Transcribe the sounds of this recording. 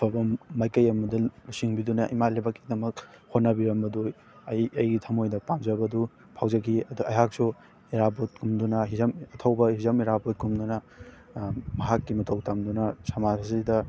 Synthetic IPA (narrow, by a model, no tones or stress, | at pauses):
pʰɐbɐmːajkɐjɐmɐdɐlusiŋbidunɐʔimalebakːi̥dɐmɐk̚hotnɐbiɾɐmbɐdu | ɐjɐjɡitʰɐmojdɐpamzɐbɐdu | pʰawzɐkiɐduɐjɦak̚su | eɾabot̚kʰumdunɐɦizɐmɐtʰɐwbɐhizɐmeɾabot̚kʰumdunɐ | mɐɦakːimɐtʰowtʰamdunɐsɐmazzidɐ